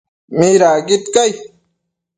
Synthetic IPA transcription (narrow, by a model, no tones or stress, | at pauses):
miɾaːɡit̪kaj